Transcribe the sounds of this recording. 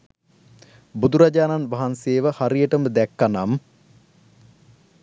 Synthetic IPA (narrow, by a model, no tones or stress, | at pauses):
bud̪uɾad͡ʒaːnanʋaɦanseːʋəhaɾijəʈəməd̪ɛkːanam